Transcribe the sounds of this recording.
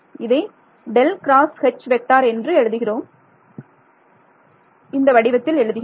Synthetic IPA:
ɪðɐɪ | ɖɛlkɾaːshɛt͡ʃːʋɛk̚ʈːaːɾɛndrɯɛɻɯðɯɣɪroːm | ɪnd̪ɐʋɐɽɪʋɐt̪ːɪlɛɻɯðɯɣɪ

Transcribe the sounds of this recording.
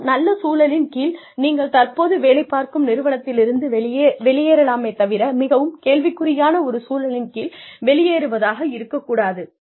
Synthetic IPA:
nɐlːɐsuːlɐlɪnkiːl | niːŋɡɐɭt̪ɐrpoːðɯʋeːlɐɪpːaːɾkɯmnɪɾɯʋɐɳɐt̪ːɪlɪɾɯnd̪ɯʋɛɭɪjeːɾɐlaːmɐɪt̪ːɐʋɪɾɐmɪɣɐʋɯmkeːɭʋɪkːɯɾɪjaːnɐɔɾɯsuːlɐɭɪnkiːlʋɛɭɪjeːɾɯʋɐðaːɣɐɪɾɯkːɐkːuːɽaːðɯ

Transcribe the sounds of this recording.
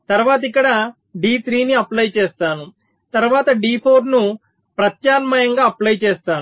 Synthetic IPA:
t̪ɐɾʋaːt̪ɐikːɐɽɐ | ɖiːt̪ʰɾiːniɐplɐjt͡ʃeːst̪aːnu | t̪ɐɾʋaːt̪ɐɖiːpʰoːɾnu | pɾɐt̪jaːnmɐjɐŋɡaːɐplɐjt͡ʃeɛːst̪aːnu

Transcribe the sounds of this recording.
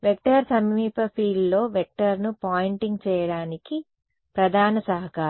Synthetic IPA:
ʋek̚ʈɐɾsɐmiːpɐpʰiːɖlo̞ːʋek̚ʈɐɾnupaːjiɳʈiŋɡt͡ʃɛːjɐɽaːniki | pɾɐd̪ʱaːnɐsɐɦɐkaː

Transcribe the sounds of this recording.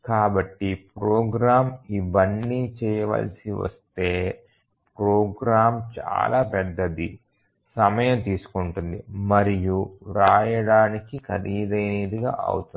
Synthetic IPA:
kaːbɐʈːipɾoːɡɾaːmiʋɐnːit͡ʃɛːjɐʋɐ̰lsiʋɐ̰st̪e̞ː | pɾoːɡɾaːmt͡ʃa̰ːlaːpɛd̪ːɐd̪i | sɐmɐjɐmt̪iːsu̥kuɳʈund̪imɐɾijuɾaːjɐɽaːnikikʰɐd̪iːd̪ɐjneːd̪iɡa̰ːɐ̰wut̪un

